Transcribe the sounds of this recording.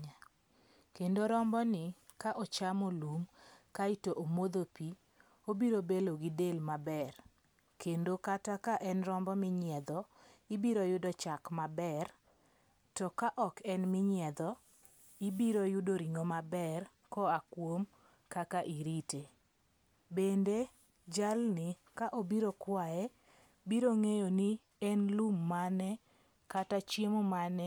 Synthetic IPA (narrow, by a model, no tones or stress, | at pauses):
kendoɾɔmbɔnɪ | kaʔɔt͡ʃamolumkaitoʔomod̪opi | obiɾobeloɡidelmabɛr | kendokatakaʔɛnrɔmbɔmɪɲɪɛd̪ɔ | ibiɾojʊdɔt͡ʃakmabɛr | tɔkaʔɔkɛnmɪɲɪɛd̪ɔ | ibiɾojʊdoɾiŋomabɛr | kɔakwom | kakaʔiɾite | bende | d͡ʒalnɪkaʔobiɾokwaɛ | biɾoŋejoni | ɛnlumːanɛ | katat͡ʃjemomanɛ